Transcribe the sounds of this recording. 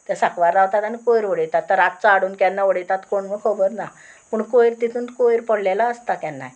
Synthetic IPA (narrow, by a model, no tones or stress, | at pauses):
t̪asakʋaɾlaʋt̪at̪anikojɾʋəɽəjt̪at̪ːəɾat̪̚t͡saɽuːnkjɛnːaʋəɽejt̪at̪koɳmikʰəbəɾna | pəɳkojiɾt̪it̪ʰuːnt̪kojɾpəɽlelaəst̪akɛnːa̰j